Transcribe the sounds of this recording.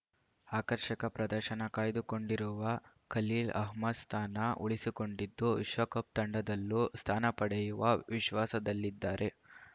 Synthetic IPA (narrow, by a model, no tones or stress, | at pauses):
aːkɐɾʃɐkɐpɾɐd̪ɐɾʃɐnɐkaːjd̪uko̞ɳɖiɾuʋɐ | kɐliːlɐ̰ɦmɐd̪st̪ʰaːnɐʔuɭisiko̞ɳɖid̪ːuʋiʃʋɐkɐp̚t̪ɐɳɖɐd̪ɐlːust̪ʰaːnɐpɐɽɐjuʋɐʋiʃʋaːsɐd̪ɐlːid̪ːaːɾe̞